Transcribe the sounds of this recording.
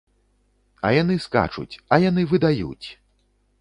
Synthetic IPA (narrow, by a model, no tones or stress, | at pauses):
ɐ̰janɨska̰t͡ʂṵt͡sʲɐjanɨvɨd̪ajṵt͡sʲ